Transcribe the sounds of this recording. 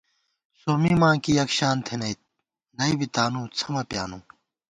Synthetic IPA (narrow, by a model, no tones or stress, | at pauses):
somimãːkijɐkɕaːnt̪ʰenɐj̪ | nɐibit̪aːnũːt͡sʰɐmɐpjaːnũː